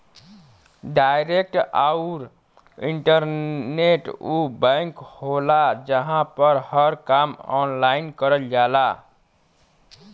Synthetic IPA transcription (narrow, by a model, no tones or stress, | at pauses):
ɖajɾek̚ʈaʊɾ | iɳʈəɾneʈubə̃ŋkholad͡ʒəɦãpəɾhəɾkamɔ̰nlainkəɾəld͡ʒala